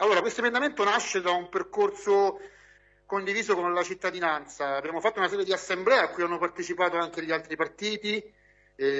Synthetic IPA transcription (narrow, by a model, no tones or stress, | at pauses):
alːoːɾakwest̪oemẽnd̪ament̪onaʃːed̪aumperkorso | kond̪iviːzokonlat͡ʃit̪ːad̪inant̪saːbːjaːmofat̪ːounasɛːɾjed̪iasːemblɛeakːujanːopart̪et͡ʃipaːt̪oaŋk̟eʎialt̪ɾipart̪iːt̪i